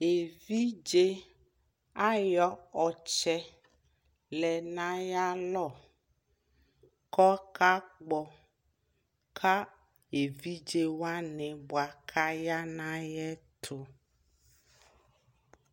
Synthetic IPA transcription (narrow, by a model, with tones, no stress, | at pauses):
e˨vi˦d͡ʒe˦ | a˦jɔ˦ɔ˨t͡ʃɛ˦ | lɛ˨nã˦ja˦lɔ˦˨ | kɔ˦ka˦k͡pɔ˨ | kʰa˦ | e˨vi˦d͡ʒe˦wa˦nɛ̃˨bo˨a˨kʰa˦ja˦nã˦jɛ˦t̪ʰo˨